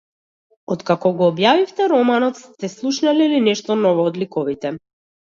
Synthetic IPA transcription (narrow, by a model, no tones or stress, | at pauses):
ɔt̪kakɔɡɔːbjavift̪ɛɾɔmanɔt̪st̪ɛslˠuʃnalilinɛʃt̪ɔnɔvɔːd̪likɔvit̪ɛ